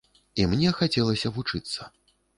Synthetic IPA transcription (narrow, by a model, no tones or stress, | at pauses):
imnʲɛxat͡sʲɛlˠɐsʲɐvut͡ʂɨt̪sːɐ